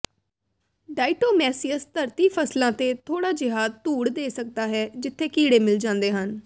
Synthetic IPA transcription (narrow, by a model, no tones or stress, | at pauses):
ɖaːɪʈoːmɛːsijəst̪əɾt̪iːpʰəslãːt̪eːt̪ʰoːɽaːd͡ʒɪɦaːd̪t̪uːɽd̪eːsək̚d̪aːɦɛːd͡ʒɪt̪ʰːeːkiːɽeːmɪld͡ʒãːnd̪eːɦən